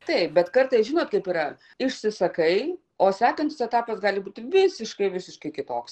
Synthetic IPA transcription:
t̪ɐɪp̚bʲɛt̪kɐrt̪ɐɪsʒʲɪnoːt̪kɐɪpiːrɐ | ɪʃʲsʲɪsɐkɐɪ | oːsʲæːkɐnʲt̪ʲɪsɛt̪ɑːpɐsɡɑːlʲɪbuːt̪ʲɪʋʲɪsʲɪʃkɐɪʋʲɪsʲɪʃkɐɪkʲɪt̪oːks

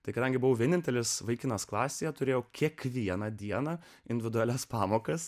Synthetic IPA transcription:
t̪ɐɪkɐd̪ɐ̃ŋʲɡʲɪbʊʋoːʋʲiɛnʲɪnʲt̪ʲɛlʲɪsʋɐɪkʲɪnɐsklˠɑːsʲeːjɛt̪ʊɾʲeːjɛʊkʲiɛkʋʲiɛnɐd̪ʲiɛnɐ | ɪnʲd̪ʲɪʋʲɪd̪ʊælʲɛspɑːmoːkɐs

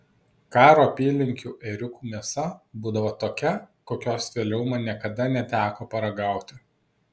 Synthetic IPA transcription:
kɑːɾoːɐpʲiːlʲɪŋʲkʲuːʔɛɾʲʊkuːmʲiɛsɐbuːd̪ɐʋoːt̪oːkʲɛkoːkʲoːsʋʲeːlʲɛʊmɐnʲiɛkɐd̪ɐnʲɛt̪ʲæːkoːpɐɾɐɡɑˑʊt̪ʲɪ

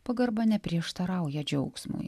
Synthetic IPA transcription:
pɐɡɐɾbɐnʲɛpʲɾʲiɛʃt̪ɐɾɑˑʊjɛd͡ʒʲɛʊksmṵj

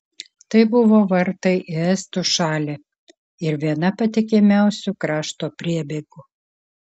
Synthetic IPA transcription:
t̪ɐɪbʊʋoːʋɐɾt̪ɐɪʔɪɛst̪uʃɑːlʲe | ɪɾʋʲiɛnɐpɐt̪ʲɪkʲɪmʲæˑʊsʲukɾɑːʃt̪oːpʲɾʲiɛbʲeːɡʊ

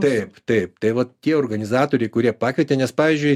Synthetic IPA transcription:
t̪ɐɪpt̪ɐɪp̚t̪ɐɪʋɐt̪ʲiɛoːrɾɡɐnʲɪzɑːt̪oːɾʲɛɪkʊɾʲiɛpɑːkʋʲɛt̪ʲeːnʲɛspɑːʋʲiːzʲd͡ʒʲʊɪ

